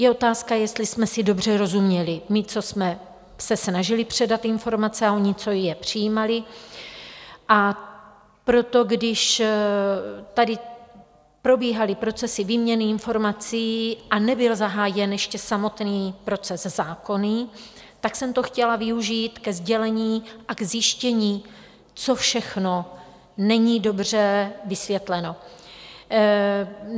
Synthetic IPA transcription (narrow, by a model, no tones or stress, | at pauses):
jɛo̞t̪aːskajɛst̪lɪsmɛsɪdo̞br̝ɛɾo̞zumɲɛlɪmɪt͡so̞smɛ | sɛsnaʒɪlɪpr̝̥ɛdat̪ɪnfo̞ɾmat͡sɛaoɲɪt͡so̞jjɛpr̝̥ɪjiːmalɪ | ʔa | pɾo̞t̪o̞ɡdɪʃ | t̪adɪ | pɾo̞biːɦalɪpɾo̞t͡sɛsɪviːmɲɛnɪɪnfo̞ɾmat͡siːʔanɛbɪlzaɦaːjɛnjɛʃcɛsamo̞t̪niːpɾo̞t͡sɛzzaːko̞ni | t̪aksɛmt̪o̞xcɛlavɪuʒiːt̪kɛzɟɛlɛɲiːʔaɡzjɪʃcɛɲiː | t͡so̞fʃɛxno̞ | nɛɲiːdo̞br̝ɛvɪsvjɛt̪lɛno̞